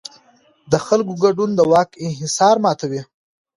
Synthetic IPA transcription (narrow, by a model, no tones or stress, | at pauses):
d̪əxalkoɡaɖund̪əwɑkɪnɦɪsɑɾmɑːt̪awi